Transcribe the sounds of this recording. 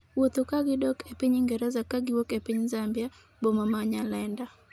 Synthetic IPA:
wot̪okaɡɪdɔkʰepiɲɪŋɡɛɾɛzakaɡɪwokepiɲzambja | bomamaɲalɛnda

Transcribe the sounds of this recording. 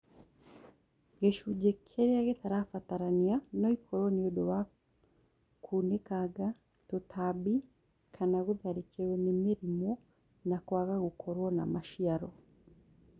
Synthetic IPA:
ɡeʃuɟekʰeɾiaɣetaɾafataɾanianoikʰoɾonijodoβa | kʰunekaɡa | tutʰabi | kʰanaɡuðaɾikeɾwenemiɾimo | nakwaɣaɡukʰoɾwona̰maʃiaɾo

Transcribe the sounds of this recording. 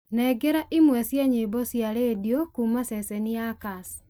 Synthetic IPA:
nɛɡeɾaʔimwɛsjeɲibosjalediokumasɛseniakas

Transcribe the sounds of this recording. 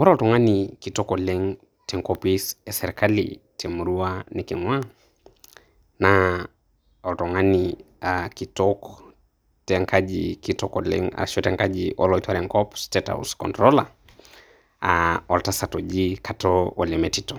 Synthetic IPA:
wɔɾaɔltɔŋanikitɔkɔlɛŋ | tɛŋkɔpisasɛɾɛkalḭtʰɛmuɾuanikiŋwa | na | ɔltɔŋaniakitɔkɔ | tɛŋkʰaʄikitɔkɔlɛ̰ŋa̰ʃɔtɛŋkaʄiʔɔ̰lɔitwaɾɛŋkɔpstɛta̰wskɔ̰ntɾɔla̰ | aɔltasatɔʄikatɔɔlɛmɛtitɔ

